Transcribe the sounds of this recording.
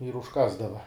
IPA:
ɪr ʊʃˈkɑːzdɐʋɐ

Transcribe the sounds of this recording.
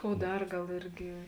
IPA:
ˈkoːʊ ˈdɐr ˈɡɐlˠ ˈɪrʲɡʲɪ

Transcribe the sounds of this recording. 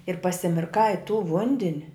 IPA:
ɪr pɐsʲɪmʲɪrˈkɐɪ ɪ tuː ˈʋʊnʲdʲɪnʲ

